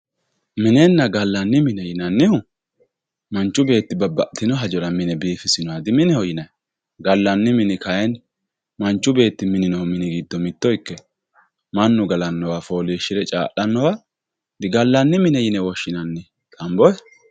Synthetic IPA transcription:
mɪnɛnːɐɡɐlːɐnːɪmɪnɛjɪnɐnːɪhʊ | mɐnt͡ʃːʊbe̞ːt̪ːɪbɐbɐʔt̪ːɪnɔɦɐd͡ʒɔɾɐmɪnɛbiːfɪsɪnɔwad̪ɪmɪnɪhɔjɪnɐj | ɡɐlːɐnːɪmɪnɪkɐjɛn | mɐnt͡ʃːʊbe̞ːt̪ːɪmɪnɪnɔmɪnɪɡiːd̪ːɔmɪt̪ːɔɪkːɛ | mɐnːʊɡɐlɐnːɔwafo̞ːliːʃːɪɾɛt͡ʃʼa̰ːʔɐnːɔwa | d̪ɪɡɐlːɐnːɪmɪnɛjɪnɛwɔʃːɪnɐnːɪ | t̪ʼɐmbɔjɛ

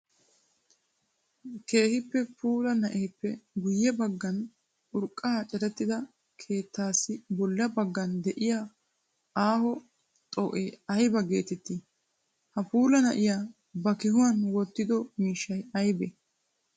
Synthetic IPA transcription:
ke̞ːhɪpːɛpuːlɐnɐʔejpːɛɡʊjːɛbɐɡːɐn | ʊɾkʼːaːt͡ʃʼɛɾɛt̪ːɪd̪ɐ | kʰe̞ːt̪ːaːsːɪbɔlːɐbɐɡːɐnd̪ɛʔɪjaː | aːhɔ | t̪ʼɔʔeɐjbɐɡe̞ːt̪ɛt̪ːɪ | hɐpuːlɐnɐʔɪjaː | bɐkɪɦʊwɐnwɔt̪ːɪd̪ɔmiːʃːɐjɐjbɛ

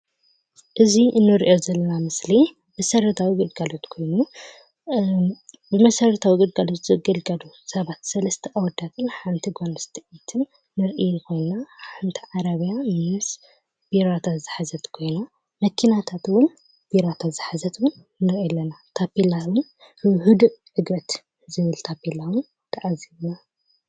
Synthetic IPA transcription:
ʔɨzinɨɾiʔo̞zɐlːɐnamɨsli | bɐsɐɾɐt̪ʰawiɡɨd̪ɡalot̪kʰo̞jnu | bɨmɐsɐɾɐt̪ʰawiɡɨd̪ɡalo̞t̪zɨɡɐlɡɐlusɐβat̪sɐlɐst̪ʰɐʔawd̪at̪ʰɨnħant̪ʰiɡanɨst̪ʰɐʔit̪ʰɨnː | ɨɾʔijɨkʰo̞jnaħant̪ʰiʕaɾɐβjamɨs | b̥iɾat̪ʰazɨħazɐt̪kʰo̞jna | mɐkʰinat̪ʰat̪wʊn | b̥iɾat̪ʰat̪zɨħazɐt̪wʊnː | ɨɾʔɛlːɐnat̪ʰapilawʊn | ɨɦɨd̪ʕɨɡɾɐt̪ | zɨβɨlt̪ʰapilawʊn | t̪ʰɐʔaziβna

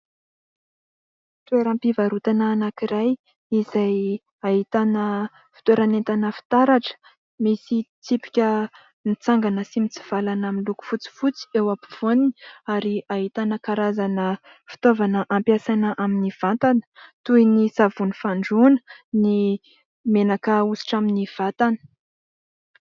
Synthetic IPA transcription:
it̪weɾampivaɾut̪anaːnakiɾaj | iz̥aj | aɦit̪anə | fi̥t̪weɾanent̪anəfi̥t̪aɾaʈ͡ʂə̥ | misit͡s̪ipi̥kʲə | nit͡saŋɡanəsimit͡si̥v̥alanaminluku̥fut͡si̥fut͡si̥ewapi̥v̥oniniaɾiaɦit̪anəkaɾazanə | fi̥t̪ovanəʔampjasanəʔaminiv̥ant̪anə̥t̪ujnisavunifaɳɖ͡ʐunə̥ni | menakəusi̥ʈ͡ʂaminiv̥at̪anə̥

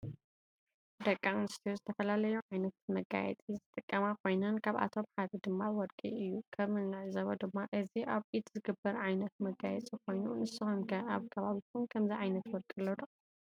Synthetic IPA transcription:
d̪ɐkʼːamɨnɨst̪ʰiozɨt̪ʰɐfɐlalɐjuʕajnɐt̪mɐɡa̰jɛ̰t͡s̪ʼizɨt̪ʼɨkʼːɐmakʰo̞jnɐnkʰaβʔa̰t̪ʰo̞mħad̪ɐd̪ɨmːawɔɾkʼḭɨjːukʰɐβmɨlɨʕzɐβod̪ɨmːaʔɨziʔaβʔit̪zɨɡɨbːɐɾʕajnɐt̪mɐɡajɛt͡sʼikʰo̞jnunɨsɨhomkʰɐaβkʰɐβaβit̪ʰunkʰɐmziʕajnɐt̪wɔlkʼɨlːod̪ɐ

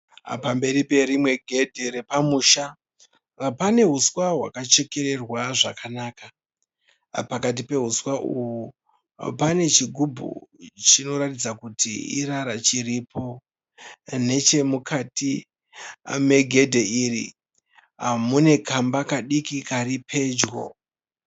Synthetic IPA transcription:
pambe̞ɾipe̞ɾimwe̞ɡʱe̞dʱeɾe̞pamuʃa | pane̞ɦuswaɦwa̰kat͡ʃe̞ke̞ɾe̞rwaʐakʰanaːka | pakat̬ipe̞ɦuswaʔuwu | pane̞t͡ʃiɡʱubʱṵt͡ʃino̞ɾatid͡zakutḭḭɾaɾat͡ʃiripʰo̞ | ne̞t͡ʃe̞mukʰatḭ | me̞ɡʱe̞dʱe̞irḭ | ɦamune̞kambakaɗikikaripʰe̞d͡ʒɡo̰

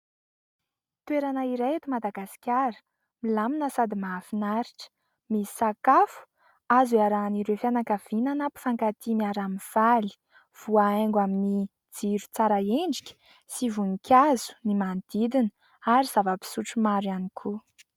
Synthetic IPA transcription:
t̪weɾanəiɾejet̪umad̪aɡasi̥kʲaɾə̥ | milaminəsad̪imaafinaɾiʈ͡ʂə̥ | mi̥sakafu̥ | aziaɾaniɾefjanakav̥inanapi̥faŋkat̪imiaɾaminv̥ali̥ | v̥uaeŋɡwamini | d͡ziɾu̥t͡saɾaeɳɖ͡ʐikʲə̥ | sivunikʰʲazu̥nimand̪̥id̪inə | aɾiz̥avəpi̥suʈ͡ʂumaɾjanikʰu

